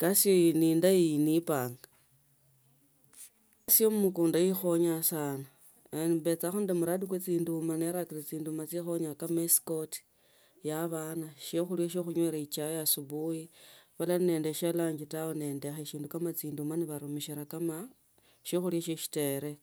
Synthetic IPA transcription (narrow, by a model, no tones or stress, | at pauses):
kasioiniːndainipaːŋɡa | asijomumukuːndajixo̞ɲasana | nβe̞t͡saxundemuɾadikwet͡siːndumaneɾakirit͡siːndumat͡sixo̞ɲakameskoti̥ | jaβaːnaʃoxuljaʃ̬oxuɲweɾait͡ʃajasuβuiβalanne̞ːndeʃalaːɲd͡ʒitawone̞ːndexeʃiːndukamat͡siːndumaniβaɾumiʃiɾakama | ʃoxuliaʃoʃi̥te̞ɾe̞